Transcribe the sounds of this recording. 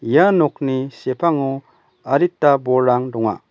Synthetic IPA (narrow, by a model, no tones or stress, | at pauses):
janɔk̚nisepʰaŋu | aɾitːabɔɾːaŋdɔŋa̰